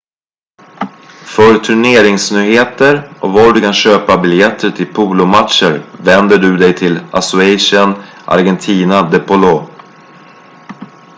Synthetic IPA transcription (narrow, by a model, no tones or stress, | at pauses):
fœɾt̪ʰɵɳeːɾɪŋsnyːheːt̪əɾʔɔvɑɖɵkʰanɕøːpabɪljɛt̪ʰːəʈʰɪlpʰuːlʊmat̪ʂəɾvɛnd̪əɖɵd̪ɛjt̪ʰɪla̰sʊɛjʂən | ʔa̰ɾɡɛnt̪ʰiːnad̪ɛpʊloː